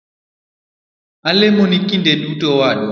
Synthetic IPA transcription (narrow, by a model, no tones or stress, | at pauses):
alɛmɔnikindɛɗutɔwaɗɔ